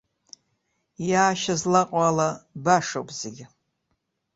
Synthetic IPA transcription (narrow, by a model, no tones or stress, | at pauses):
jaːʃazlaqʼalabaʂowpʼz̥eɡʲɪ